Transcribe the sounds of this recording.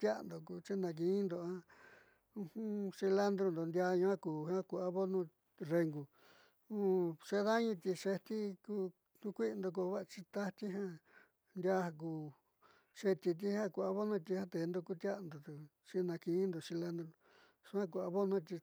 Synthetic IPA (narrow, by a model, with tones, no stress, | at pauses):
t̪ʲja̰˦˧nd̪o˨ku˧t͡ʃi˦nã˧k̬ĩ˧˦nd̪o˧ã˦ | ũ˧hũ˦si˧la˦nd̪ɾo˧nd̪o˨nd̪ʲa˧ɲũ˧˦ã˦kuː˨hã˦ku˧a˧βo˦nũ˦ | re˧ŋɡu˨ | ũ˦ʂe˧˦ða˦ɲĩ˧t̪ʲi˧ʂe˧t̪i˦ku˦ | k̪u˧kʷi˦˧nd̪o˧k̬o˧βa˦˧t͡ʃi˧t̪a˦t̪i˦ɦã˧ | nd̪ja˧ha˧k̬uː˧˨ | ʂe˧t̪i˧t̪̬i˧hã˦kʷu˧a˧βo˦nũ˦t̪̬i˧hã˦t̪e˨˧nd̪o˧ku˦t̪ʲja˦˧nd̪o˨t̪u˧ | t͡ʃi˦˧nã˧kĩ˧˦nd̪o˧˨si˧la˦nd̪ɾo˧ | ʂu˧ã˦k̬u˧a˧βo˦nũ˦t̪̬i˧